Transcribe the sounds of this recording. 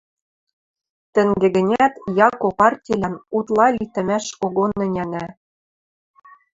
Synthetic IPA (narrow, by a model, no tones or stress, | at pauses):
t̪ɘ̆ŋɡɘ̆ɡɘ̆nʲæt̪jɑkopɑrtʲilʲænut̪lˠɑlʲit̪ɘ̆mæʃkoɣonːɘ̆nʲænæ